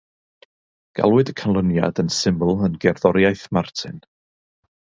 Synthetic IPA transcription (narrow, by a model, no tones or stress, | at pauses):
ɡ̥a̰lˠwɨdəkʰənlˠənja̰dənsɪmbl̩ˠənɡɛrðɔɾjajθmartʰɪ̰n